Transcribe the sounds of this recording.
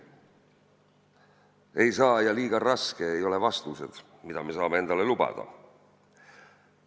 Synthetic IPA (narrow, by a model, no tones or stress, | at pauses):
e̞jsɑːjɑliːɡ̥ɑrɑske̞ːjo̞le̞vɑst̪use̞̰d̪̥ | mid̪̥ɑme̞s̬ɑːme̞e̞nd̪ɑle̞lub̥ɑ̰d̪̥ɑ̰